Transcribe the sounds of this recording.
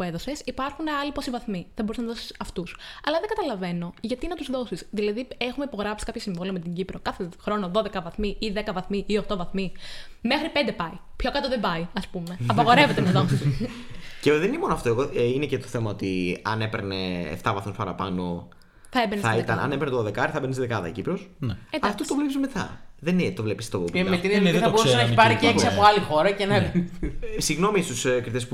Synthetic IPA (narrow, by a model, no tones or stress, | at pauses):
pue̞ðose̞sipɐɾxunɐliposivɐθmiθɐbo̞ɾusnɐðosi̥sɐft̪usɐlɐðeŋɡɐt̪ɐlɐve̞no̞ʝɐt̪inɐt̪uzðo̞sisðilɐðiexumeipo̞ɣɾɐpsi̥kɐpçɐsiɱvoliomet̪iɲɟipɾo̞kɐθexɾo̞no̞ðo̞ðe̞kɐvɐθmiiðekɐvɐθmiʔio̞xt̪o̞vɐθmi | me̞xɾipend̪epɐi | pço̞kɐt̪oðebɐiɐspume̞ɐpɐɣo̞ɾeve̞t̪emet̪ot̪omsis | ceðeninemonoɐft̪oeɣoinecet̪oθemɐo̞t̪iɐ̰ne̞peɾnḛːft̪ɐvɐθmospɐɾɐpɐno̞ | θɐebeɾnθɐit̪ɐnɐ̰nepeɾnet̪oðe̞kɐɾiθɐbenesiðekɐðɐ̰ḭcipɾosndɐaft̪ot̪ovlepisumet̪ɐ̰ðenet̪ovle̞pist̪omet̪ɾiɐbo̞ɾusenɐeçiipɐɾiceeksiɐpoɐlixo̞ɾɐcenɐ | siɣno̞mist̪uskɾit̪espu